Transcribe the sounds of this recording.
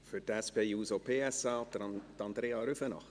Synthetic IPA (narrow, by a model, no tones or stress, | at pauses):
fʏtɛspeːjuːsopʰeːɛsɑːt̪t̪ɑnd̪ɾeːɑɾʉfənɑ̰χt